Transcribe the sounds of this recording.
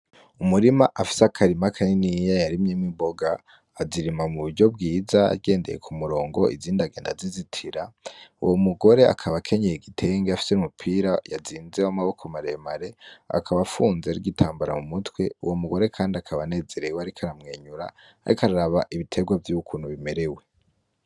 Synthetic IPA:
umuɾimaʔafi̥seakʰaɾimakʰaninijajaɾimɲemibo̞ɡaː | ziɾimamuβuɾɟo̞b̚ɡiːza̰ːɡeːnde̞̰je̞̰kʰumuɾo̞ːŋɡo̞ʔḭziːndaɡe̞ːnda̰zizitʰiɾaṵwʔomuɡo̞ɾe̞a̰kʰaβakʰe̞ɲejeɡitʰe̞ŋɡeafi̥seumupʰiːɾajaziːnzewamaβo̞kʰomaɾemaɾe̞a̰kʰaβafuːnzeɾiɡitʰaːmbaɾa̰mumutwe̞uwomuɡo̞ɾe̞kʰaːndiakʰaβane̞ːze̞ɾe̞weaɾikʰaɾamŋe̞ːɲuɾa̰ | a̰ɾikaɾaɾaβaʔiβitʰe̞ɡwavjukʰuːn̥huβime̞ɾe̞we̞

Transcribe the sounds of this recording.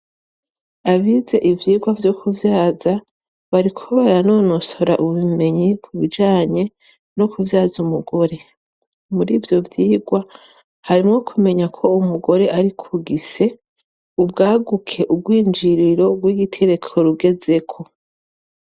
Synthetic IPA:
aβize̞ʔivjiːɡwavjokʰuvjaːza | βaɾikʰo̞βaɾano̞ːnoso̞ɾa̰ʔuβume̞ɲikʰuβid͡ʒaːɲe̞ | no̞kuvjaːzumuɡo̞ɾe̞ | muɾiːvjo̞vjiːɡwa | haɾimwo̞kʰume̞ɲakʰo̞umuɡo̞ɾe̞ʔaɾikʰuɡise̞ | ubɡaːɡukʰe̞ʔubɡwiːnd͡ʒiɾiɾo̞ɡwiːɡitʰe̞ɾe̞kʰo̞ɾuɡe̞ze̞kʰo̞

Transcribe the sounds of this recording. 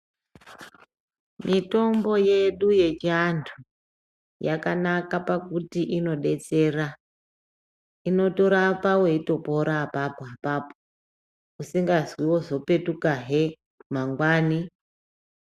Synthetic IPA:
mʔito̞mbo̞je̞ɗuje̞t͡ʃiantʰu | jakanakapakutiʔino̞ɗe̞t͡se̞ra | ino̞to̞ɾapawe̞ito̞po̞ɾapapapapo | usiŋɡazwiwo̞ʐo̞pe̞tukaɦe | maŋɡwaːni

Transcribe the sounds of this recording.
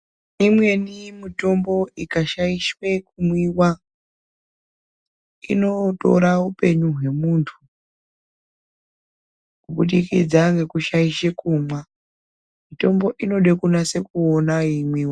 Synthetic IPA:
imwe̞nimito̞mbo̞ikaʃaiʃwe̞kumwiwa | ḭno̞to̞̰ɾaupe̞ɲuɦwe̞muːntʰu | kuɓuɗikid͡zaŋɡe̞kuʃaiʃekumwa | mito̞mbo̞ʔino̞ɗekunase̞kuonaimwiːwa

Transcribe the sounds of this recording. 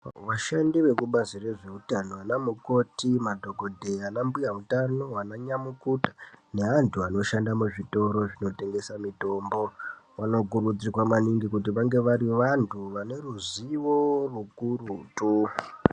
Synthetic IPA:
ʋaʃandiʋe̞kuɓazire̞ʐe̞utano̞anamuko̞timadʱo̞ɡo̞dʱe̞anambujautano̞anaɲamukutḁne̞antʰuano̞ʃandamuʐito̞ɾo̞ʐino̞te̞ŋɡe̞samito̞ːmbo̞ʋano̞kurud͡zikwamaniŋɡikutiʋaŋɡe̞ʋaɾiʋantʰuʋane̞ruziʋo̞rukurutu

